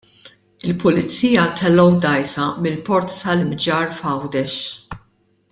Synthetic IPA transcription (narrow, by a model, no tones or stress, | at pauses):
ɪlpʊlɪt͡sːiːjɐt̪ʰɛlːɔwd̪ɐjsɐmɪlpɔɾt̪ːɐlɪmd͡ʒɐːɾfɐwd̪ɛʃ